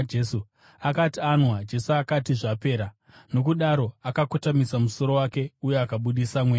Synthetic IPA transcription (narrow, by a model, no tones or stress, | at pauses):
d͡ʒesu | akatianwad͡ʒe̞suakatiʐape̞ːɾa | no̞kuɗaɾo̞akakotamisamuso̞ɾo̞wake̞ujeakaɓuɗisamweː